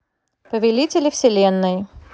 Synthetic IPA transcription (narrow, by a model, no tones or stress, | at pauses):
pəvʲɪlʲitʲɪlʲɪfsʲɪlʲenːɨj